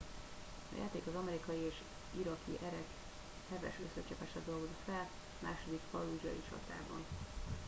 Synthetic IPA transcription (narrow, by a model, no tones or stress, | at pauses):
ɒ̰ja̰ːt̪eːkɒzɒmɛɾikɒjieːʃ | iɾɒkʰḭʔɛɾɛk | hɛvɛ̰ʃøsøt͡ʃɛpɛʃɛd̪olɡozik̪fɛl | maːʃo̞d̪ikpɒluːʒɒ̰jḭt͡ʃɒ̰t̪a̰ːbɒn